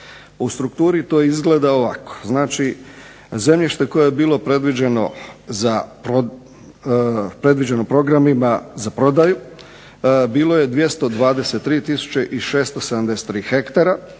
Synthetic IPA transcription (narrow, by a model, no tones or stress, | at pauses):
ust̪ɾukt̪uːɾit̪o̞ːjeizɡle̞ːd̪aoʋako̥znaːt͡ʃi | ze̞mʎiʃt̪e̞ko̞jejebiːlˠo̞pɾe̞d̪ʋid͡ʑe̞no̞̰zaɾo | pɾe̞d̪ʋid͡ʑeno̞pɾo̞ɡɾamimazapɾo̞d̪aju | biːlˠo̞je̞d̪ʋje̞st̪o̞d̪ʋaːd̪e̞se̞t̪ːɾiːt̪isu̥t͡ɕeʔiʃe̞ːst̪osed̪amd̪e̞se̥t̪ːɾiːxe̞kt̪aɾa